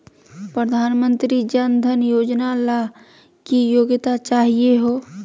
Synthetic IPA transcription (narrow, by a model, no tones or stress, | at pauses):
pɾəd̪ʱaːnmə̃nt̪ɾid͡ʒənd̪ʱənjod͡ʒnala | kijoɡt̪at͡ʃaɦieɦoː